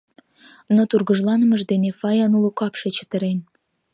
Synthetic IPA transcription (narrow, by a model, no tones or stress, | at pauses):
not̪urɣəʒlɑnəməʒd̪enefɑjɑnulukɑpʃet͡ɕə̥t̪əɾen